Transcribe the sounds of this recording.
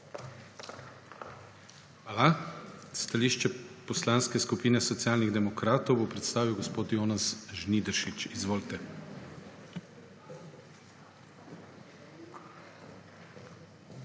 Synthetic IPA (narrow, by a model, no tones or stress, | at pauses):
xʋaːlast̪aliːʃt͡ʃɛpɔslaːnskɛskupiːnɛsɔt̪siaːlniɣd̪ɛmɔkɾaːt̪ɔwbopɾɛt̪st̪aːʋiwɡɔspoːt̪joːnasʒnid̪ɾʃit͡ʃizʋoːlt̪ɛ